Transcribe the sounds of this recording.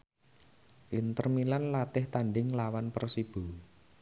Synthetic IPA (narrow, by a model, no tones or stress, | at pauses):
ʔint̪ərmilanlat̪ɪht̪aɳɖɪŋlawanpərsib̥u